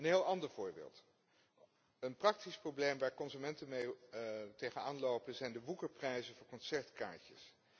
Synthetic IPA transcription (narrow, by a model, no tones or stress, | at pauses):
ənɦɪːlˠɑndəɹv̥ʊːɹbḛːlˠt | ənprɑk̚tisprowblejmʋaːɹkɔnzymɛntənmejtejχənaːnlowpənzɛjndəʋukəɹprɛjzənvʊːɹkɔnsɛɹtka̰ːɹcə̰s